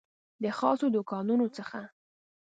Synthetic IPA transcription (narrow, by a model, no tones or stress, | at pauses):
d̪əxɑsod̪ʊkɑnunot͡səxa